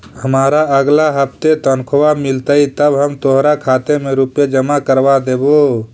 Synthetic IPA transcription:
həmaɾaəɡlaɦəp̚ʰt̪et̪ənkʰwamilt̪əjt̪əbɦəmt̪oɦɾakʰat̪emeɾupjed͡ʒəmakəɾbad̪ebo

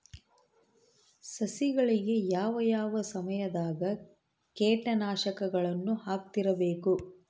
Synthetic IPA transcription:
sɐsiɡɐɭiɡe̞jaːʋɐjaːʋɐsɐmɐjɐd̪aːɡɐ | keːʈɐnaːʃɐkɐɡɐɭɐnːuhaːk̚t̪iɾɐbe̞ːku

